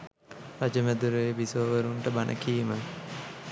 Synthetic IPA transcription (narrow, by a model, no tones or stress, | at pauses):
ɾad͡ʒəmæd̪uɾəʋebisoːʋəɾuɳʈəbanʔə̰kiːmə